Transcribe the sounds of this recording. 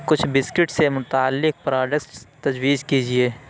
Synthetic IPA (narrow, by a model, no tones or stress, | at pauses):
kʊt͡ʃʰbɪskɪʈsemʊt̪aːlːɪk̚pɾaːɖəkst̪ɐd͡ʒwiːd͡ʒkiːd͡ʒieː